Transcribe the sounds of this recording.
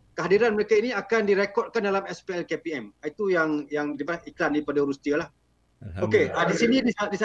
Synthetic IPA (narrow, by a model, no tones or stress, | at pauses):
kəɦadiɾanməɾekainiakandiɾekɔd̚kandalamɛspeɛlkepiɛmit̪ujaŋjaŋɾipaaiklandaɾipadaɾust̪ialah | okeadisinĩdiadisa